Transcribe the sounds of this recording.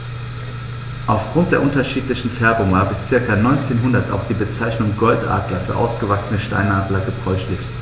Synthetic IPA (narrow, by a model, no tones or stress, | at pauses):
ʔaʊfɡ̥ʁʊnt̚d̥eːɐʔʊntɐʃiːtlɪçn̩fɛɐbʊŋvaːɐbɪst͡sɪɐkɐnɔʏnt͡seːnɦʊndɐta̰ʊxd̥iːbət͡saɪçnʊŋɡɔltʔa̰ːɡlɐfyːɐʔa̰ʊsɡ̥əvaksənəʃta̰ɪnaːɡlɐɡəbʁ̥ɔʏçlɪçt